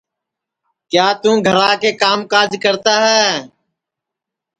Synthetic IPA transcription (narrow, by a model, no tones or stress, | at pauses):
kjaːt̪ũːɡʱəɾaːkeːkaːmkaːd͡ʒkəɾt̪aːɦɛː